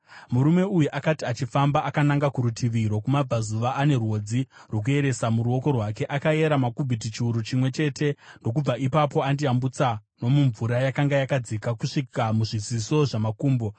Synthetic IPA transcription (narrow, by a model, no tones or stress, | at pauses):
muɾume̞ujuʔakatiat͡ʃifambaʔakanaŋɡakuɾutʰiʋiɾo̞kumab͡vazuʋaʔane̞rwo̞d͡zirok̬ue̞ɾe̞samuɾuo̞ko̞rwake̞ʔakae̞ɾamakubʱit̬it͡ʃiuɾut͡ʃimwe̞t͡ʃe̞ːte̞ndo̞k̬ub͡vaʔipapo̞andiambut͡sano̞muɱvuɾajakaŋɡajakad͡zikakuʂikamuʐiziso̞ʐamakuːmbo̞